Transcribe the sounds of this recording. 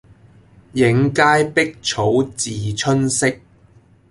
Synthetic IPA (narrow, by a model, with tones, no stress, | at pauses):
jɪ˨˧˥ŋkaː˥jpɪ˥k̚t͡ʃʰo˨˥wt͡siː˨t͡ʃʰɵ˥nsɪ˥k̚